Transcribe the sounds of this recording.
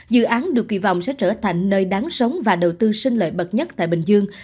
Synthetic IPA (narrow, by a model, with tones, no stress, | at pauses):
zɨ̰˧˨ʔaː˨˦nɗɨ˨˩əkwḭ˧˩vɔ̰˧˨wŋ͡msɛ̰˧˥t͡ɕəː˧˩t̪ʰa˨˩jŋ̟nəː˧jɗaː˨˦ŋsə˨˦wŋ͡mvaː˨˩ɗə˨˩wt̪ɨ˧sï˧ŋ̟lə̰ː˧˨jɓə˨˩t̚ɲə˦˥t̚t̪a̰ː˧˨jɓï˨˩ŋ̟zɨ˧əŋ